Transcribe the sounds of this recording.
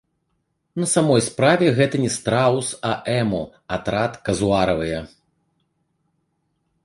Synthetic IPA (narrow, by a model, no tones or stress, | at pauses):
nɐsamɔjspɾavʲɛɣɛt̪ɐnʲɛst̪ɾawsɐʔɛmɔ | at̪ɾat̪kɐzuaɾɐvɨjɐ